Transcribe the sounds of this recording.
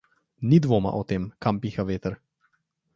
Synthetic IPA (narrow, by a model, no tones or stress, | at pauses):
nid̪ʋoːma̰ʔɔt̪eːmkampiːxaʋeːt̪əɾ